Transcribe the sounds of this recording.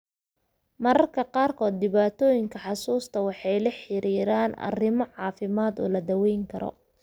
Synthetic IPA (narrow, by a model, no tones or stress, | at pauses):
mɐɾɐrkʰɐqɑːrkʰɔːd̪̚ːɪβaːt̪ʰɔːjɪŋkʰɐħɑsuːst̪ʰɐwɑħɑjlɐħɪɾiːɾaːnɐ̰rɪmɔʕɑːfɪmaːd̪ɔ̰ːlɐd̪ɐwɛjŋkʰɐɾɔ̰